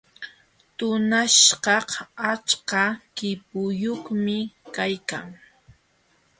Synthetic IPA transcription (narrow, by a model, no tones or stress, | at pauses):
t̪ʊnaʃɢɑhat͡ʃkakɪp̚ʊjoχmɪkajka̰ŋ